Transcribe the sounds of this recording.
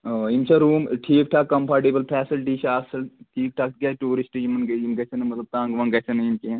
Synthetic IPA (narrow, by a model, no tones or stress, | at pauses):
imt͡ʃʰɐɾuːmʈʰiːk̚ʈʰaːkɐmpʰaːɾʈeːbəlpʰɛːsɐlʈiːt͡ʃʰaːsɐlʈʰiːk̚ʈʰak̪̚ɡʲaːʈuːɾisʈjimɐnɡɐimɡɐsʰɐnɐmɐt̪lɐb̚t̪ãːŋɡʋɐŋɡɐsʰɐnɐimkĩ